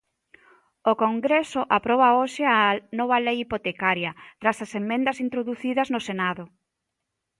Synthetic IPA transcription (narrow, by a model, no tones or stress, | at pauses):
okoŋɡɾesʊʔapɾɔβ̞aoʃɪanɔβɐlejipot̪ekaɾjɐt̪ɾasɐsemːẽnd̪ɐsint̪ɾoðuθiðɐznʊsenaðʊ